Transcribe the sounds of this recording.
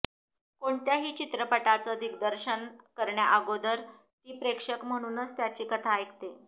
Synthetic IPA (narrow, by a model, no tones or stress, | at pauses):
koɳt̪jaɦiːt͡ɕit̪ɾəpəʈat͡səəd̪ʱikd̪əɾɕənkəɾɳjaʔəɡod̪əɾ | t̪iːpɾekʂəkm̤əɽ̃uːnət͡st̪jat͡ɕiːkət̪ʰaejkt̪e